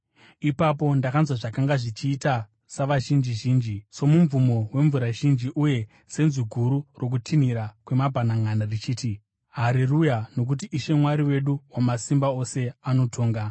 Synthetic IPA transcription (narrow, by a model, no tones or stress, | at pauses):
ipapo̞ndakanzwaʐakaŋɡaʐit͡ʃiːta | saʋaʒind͡ʒiʒiːnd͡ʒiso̞muɱvumo̞we̞ɱvuɾaʒind͡ʒiʔuje̞ | se̞nzuɡʱuɾuro̞k̬utʰiniɾakwe̞mabʱanaŋanarit͡ʃiːti | ɦaɾirujano̞k̬ut̬iʔːʃe̞mwaɾiwe̞ɗuwamasimbao̞se̞ano̞tʰo̞ːŋɡa